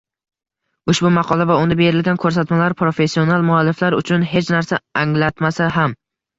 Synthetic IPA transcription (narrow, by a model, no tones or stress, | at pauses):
ʊʃbʊmɑqʰɒlˠavaʊnd̪abe̞ɾɪlɡʲankʰɵɾs̬at̪malaɾpɾo̞fe̞sːio̞nalˠmʊalːɪflaɾʊ̰t͡ʃʰʊnɦe̞t͡ʃnaɾsaaŋlat̪masaɦam